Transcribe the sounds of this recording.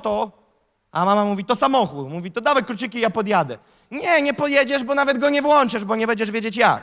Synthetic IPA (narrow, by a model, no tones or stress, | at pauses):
t̪ɔ | amamamuvʲit̪ɔsamɔxut̪muvʲit̪ɔd̪avɛkkːɾut͡ɕɘkʲijapɔd̪jad̪ɛ̰ | ɲɛɲɛpɔd̪jɛd͡ʑɛʐbɔnavɛd̪ɡɔɲɛvwɔnt͡ʂɨʐbɔɲɛbɛɲd͡ʑɛʐvʲjed͡ʑet͡ɕja̰k